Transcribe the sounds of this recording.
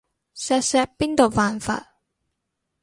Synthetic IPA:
sɛː˧sɛː˧pːiː˥nt̪o˨wpaː˨nfa̰ː˧t̚

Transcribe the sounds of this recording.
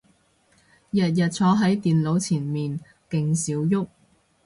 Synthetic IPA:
jɐ˨t̚jɐ˨t̚t͡sʰɔː˨˥ɦɐ˨˥jt̪iː˨nlo˨˧wt͡sʰiː˨˩nmiː˨n | kɪ˧ŋsiː˨˥wjʊ˥k̚

